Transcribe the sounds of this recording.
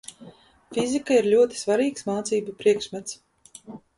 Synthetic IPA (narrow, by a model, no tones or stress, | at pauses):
fʲizʲikaiɾlʲuɔt̪i̥svaɾiːksmaːt̪siːbupɾiɛkʃmʲɛt̪s